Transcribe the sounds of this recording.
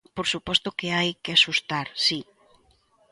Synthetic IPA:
poɾsupɔst̪okeajkeasust̪aɾsi

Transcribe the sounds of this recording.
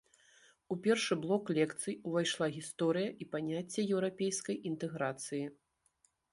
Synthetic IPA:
upʲɛrʂɨblˠɔklʲɛkt̪sɨjuvajʂlˠaɣʲist̪ɔɾɨjɐʔipanʲat͡sʲːɛjɛwɾapʲejskɐjʔint̪ɛɣɾat̪sɨji

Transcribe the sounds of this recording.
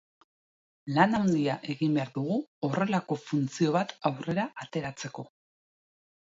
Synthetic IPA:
lanawnd̪iaʔe̞ɣimbe̞aɾðuɣuo̞re̞lako̞funt͡sio̞βat̪awre̞ɾaʔat̪e̞ɾat͡se̞ko̞

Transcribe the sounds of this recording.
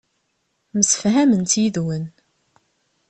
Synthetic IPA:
məsə̥fɦæmənt̪iðwən

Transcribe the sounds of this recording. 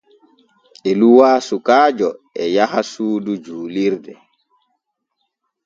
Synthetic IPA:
ʔɛluwaːsukaːd͡ʒɔ | ɛjahasuːdud͡ʒuːliɾdɛ

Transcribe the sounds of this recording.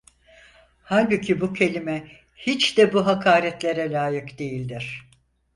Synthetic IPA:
halʲbucʰibucʰe̞lʲimɛ | hit͡ʃd̪ɛbuɦakʰaːɾɛt̪lʲeɾɛlʲaːjɯkd̪ejilʲd̪iɾ̥

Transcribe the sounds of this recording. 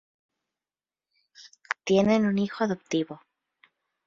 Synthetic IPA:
t̪jenenunixoaðopt̪iβo

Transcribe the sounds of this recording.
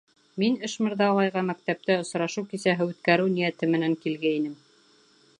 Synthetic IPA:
minɘ̆ʃmɘ̆ɾðɑlˠɑjʁɑmæk̚t̪æp̚t̪ɘŏsɾɑʃuwkisæɦɘʉt̪kæɾɘwnijæt̪ɘmɘ̆næŋkilɡæinɘm

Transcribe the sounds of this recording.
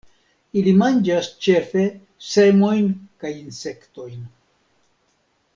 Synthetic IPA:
ilimand͡ʒast͡ʃe̞fe̞ | se̞mo̞jnkajinse̞kto̞jn

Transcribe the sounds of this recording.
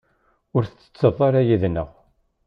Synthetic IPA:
ʊɾθət͡sːə̥t͡sːəðˤɑɾajiðnə̰ʁ

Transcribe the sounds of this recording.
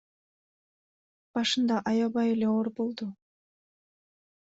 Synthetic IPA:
b̥ɑʃɯnd̪ɑʔɑjɑβɑjele̞oɾbo̞lˠd̪u

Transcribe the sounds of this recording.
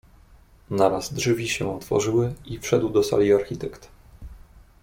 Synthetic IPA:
naɾazdʐvʲiɕɛɔt̪fɔ̰ʐɘwɘifʂɛd̪wd̪ɔsa̰lʲiaɾxʲit̪ɛkt̪

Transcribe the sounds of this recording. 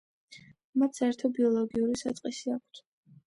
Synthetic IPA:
mat̪sɛɾt̪ʰɔbiɔlˠɔɡiuɾisa̰t̪sʼqʼisiakʰt̪ʰ

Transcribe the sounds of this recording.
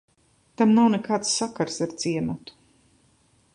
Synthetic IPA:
t̪amnawnekaːt̪sːakaɾsaɾt̪siɛnut̪u̥

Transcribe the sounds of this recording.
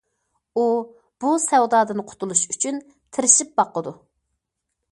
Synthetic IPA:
u | b̥usɛwd̪ɑːd̪ɨnɨqʰʊ̥t̪ʰulˠuʃyt͡ʃʰyn | t̪ʰɪɾɪʃip̚bɑqːəd̪u

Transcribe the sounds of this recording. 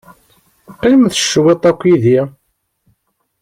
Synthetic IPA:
qːimθə̥ʃːwet̪ˤækʷːiði

